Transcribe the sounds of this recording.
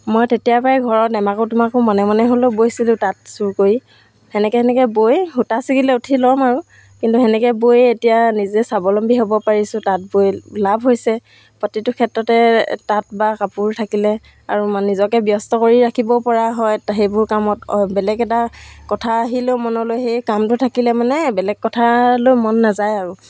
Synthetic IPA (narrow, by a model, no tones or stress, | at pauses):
mojtetijapaɛɡʱɔɹɔtɛmakʊtʊmakʊmɔnɛmanɛɦolobojsilʊ̃tat̚suɹkoɹi | hɛnɛkɛɦɛnɛkɛbojhutasikilɛutʰilɔmaɹu | kintuɦɛnɛkɛbojetijanizɛsabɔlɔmbiɦobɔpaɹisʊ̃tat̚bojlabʱɦojsɛ | pɔtitʊkʰɛtɹɔtɛtat̚bakapuɹtʰakilɛ | a̰ɹumnːizɔkɛbjɔstɔkoɹiɹakʰibɔpɔɹaɦɔjtɦejbʊɹkamɔtbɛlɛɡɛtakɔtʰaːɦilɛʊmɔnɔlojɦejkamtʊtʰakilɛmanɛbɛlɛɡ̚kːɔtʰalojmɔnːazajaɹu